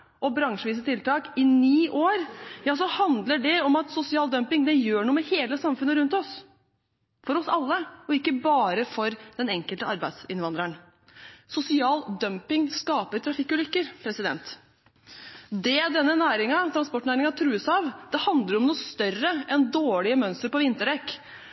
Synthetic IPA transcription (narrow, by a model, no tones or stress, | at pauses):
ʔɔbɾɑŋʂəʋiːs̬ət̪ʰɪlt̪ʰɑːkɪniːʔoːɾjɑːsɔhɑnd̪ləɖɛɔmɑt̪sʊsɪɑːld̪œmpɪŋd̪ɛjøːɳuːmɛheːləsɑmfʉnəɾʉnt̪ɔs | fɔɾɔsɑlːəɔɪkːəbɑːɾəfɔɾd̪̥ɛnɛŋkəlt̪əɑɾbæɪd̪sɪnʋɑnd̪ɾəɳ | sʊsɪɑːld̪œmpɪŋskɑːpəɾʈ̪ʰɾɑfɪkːʉːlʏkːəɾpʰɾɛsɪd̪ɛ̰nt̪ | d̪ɛd̪ɛnːənæːɾɪŋɑt̪ʰɾɑnspɔʈːɳæːɾɪŋɑt̪ʰɾʉːəsɑʋd̪̥ɛhɑnd̪ləɾɔmnuːst̪œrəɛnd̪oːɭɪəmœnst̪əɾpɔʋɪnt̪əɖɛkː